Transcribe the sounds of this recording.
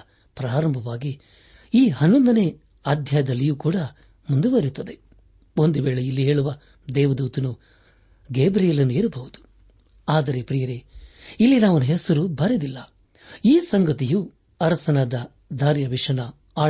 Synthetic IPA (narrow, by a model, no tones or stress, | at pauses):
pɾaːɾɐmbʱɐʋaːɡi | iːɦɐnːond̪ɐne | aːd̪ʱjaːjɐd̪ɐlːijuːkuːɽɐ | mund̪uʋɐɾut̪ːɐd̪e̞ | o̞nd̪uʋeːɭeilːiɦe̞ːɭuʋɐ | d̪ɛːʋɐd̪uːt̪ɐnu | ɡeːbɾijɐlɐnːueːɾubɐʋud̪u̥ | aːd̪ɐɾe̞pɾijɐɾeilːinaːʋɐnuɦesɐɾubɐɾed̪ilːɐ | iːsɐŋɡɐt̪iju | ɐɾɐsɐnaːd̪ɐ | d̪ʱaːɾjɐʋiʂɐnɐ | aː